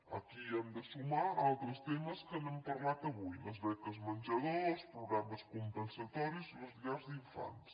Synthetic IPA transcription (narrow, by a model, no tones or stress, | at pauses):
ə̰kiəmd̪əsumaalˠt̪ɾəst̪eməskənəmpərlat̪əβujləzβɛkəzmənʲʒəðospɾuɣɾaməskumpənsət̪ɔɾizləzʎaɾzd̪iɱfa̰ns